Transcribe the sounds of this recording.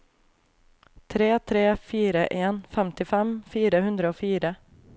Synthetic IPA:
t̪ʰɾeːt̪ʰɾeːfiːɾəʔeːnfɛmt̪ɪfɛmfiːɾəhɵnd̪ɾəofyːɾə

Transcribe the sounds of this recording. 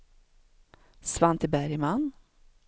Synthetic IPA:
svant̪ʰɪbæɾjman

